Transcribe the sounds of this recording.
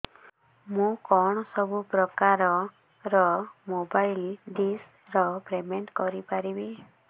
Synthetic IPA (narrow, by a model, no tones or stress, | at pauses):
mũkɔɽ̃ɔsɔbupɾɔkaɾɔ | ɾɔmobajlɖis | ɾɔpɾemeɳʈkɔɾipaɾibi